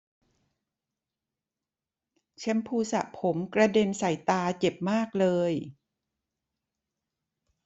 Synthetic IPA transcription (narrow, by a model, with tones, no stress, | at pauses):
t͡ɕʰe˦˧˥mpʰuː˧sa̰˨˩ʔpʰo˩˦mkɾa˧de˧msa˨˩jt̪aː˧t͡ɕe˨˩p̚maː˥˩k̚lɤː˧j